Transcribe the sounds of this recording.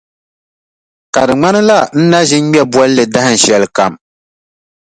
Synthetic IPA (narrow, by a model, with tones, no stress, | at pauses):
ka˨dɨ˨ŋ͡ma˦nɨ˦la˦n̩˦na˦ʒɪ˦n˦mɛ˦bwɔ˦lːɨ˨da˦hɨ˦n̩˨ʃɛ˨lɨ˨ka˨m